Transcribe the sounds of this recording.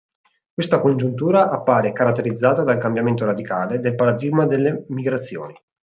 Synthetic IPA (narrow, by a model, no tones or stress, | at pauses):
kwest̪akond͡ʒunt̪uːɾaʔapːaːɾekaɾat̪ːeɾid̪zːaːt̪ad̪alkambjament̪oɾad̪ikaːled̪elpaɾad̪iɡmad̪elːemiɡɾat̪sːjo̰ːni